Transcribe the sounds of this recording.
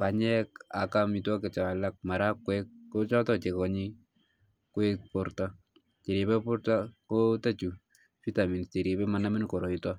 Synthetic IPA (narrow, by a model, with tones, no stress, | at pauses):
pa˨ɲɛ˦ka̰˨ka˦mi˨twɔ˦ke˨t͡ʃa˨lak̚ma˨ɾa˦kwɛkːo˦t͡ʃɔ˦tɔ˦t͡ʃe˨kɔ˨ɲi˦ | kwɛ˦k̚poɾta˦ | t͡ʃe˨ɾe˨bɛ˦po˦ɾta˦kota˦t͡ʃu˨ | fi˦ta˨mi˨n˨te˨ɾje˨bɛ˦ma˨na˦mi˦nko˨ɾo˨itɔ˦